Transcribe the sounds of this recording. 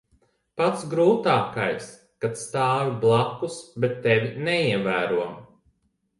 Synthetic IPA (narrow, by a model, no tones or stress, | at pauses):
pat̪sɡɾuːt̪aːkajs | kat̪st̪aːviblˠakːusbet̪ːɛvʲinɛiɛvæːɾuɔm